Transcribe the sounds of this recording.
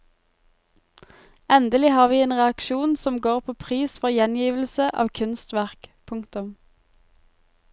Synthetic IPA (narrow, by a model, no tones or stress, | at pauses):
ɛnd̪əlɪhɑːʁʋiːeːnʁɛɑkʃuːnsɔmɡoːʁpʰoːpʰʁiːsfɔʁjɛnjiːʋl̩səʔɑ̰ːʋkʰʉnst̪ʋæʁkpʰʊŋkt̪ʊm